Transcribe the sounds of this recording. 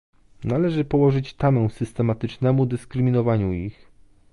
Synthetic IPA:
nalɛʐɘpɔwɔʐɘt͡ɕt̪amɛw̃sɘst̪ɛmat̪ɘt͡ʂnɛmud̪ɘskɾɘmʲinɔvaɲuix

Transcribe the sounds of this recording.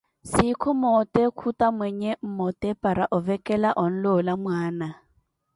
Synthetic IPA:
sikʰɔmɔtʼɛkʰutamwɛɲɛm̩mɔtʼɛpʼaɾaʔʊvɛkʼɛlaʔɔn̩lɔlamwaːna

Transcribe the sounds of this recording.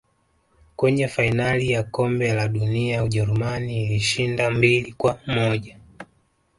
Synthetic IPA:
kwɛɲɛfainalijakɔmbɛlaɗuniauʄɛɾumaniːliʃindambilikwamɔʄa

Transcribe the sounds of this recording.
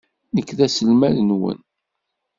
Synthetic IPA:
nəkːðæsəlmæðənwə̰n

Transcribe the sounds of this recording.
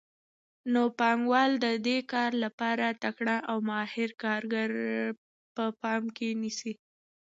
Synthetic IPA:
nopɑŋɡwɑld̪əd̪ekɑɾlapɑɾat̪akɳaʔawmɑhɪɾkɑɾɡaɾ | pəpɑmkenisi

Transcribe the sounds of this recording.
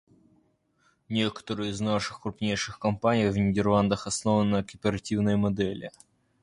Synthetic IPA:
nʲe̞kə̥t̪əɾɨjɪznaʂɨxkɾʊpnʲejʂɨxkɐmpanʲɪjvnʲɪdʲɪrlˠand̪əxɐsno̞vənːəkəpʲɪɾɐtʲivnəjmɐd̪ɛlʲɪ̰

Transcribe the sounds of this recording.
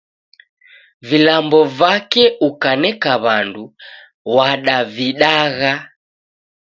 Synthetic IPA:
vilambɔvakɛukanɛkaβandu | waɗaviɗaɣa

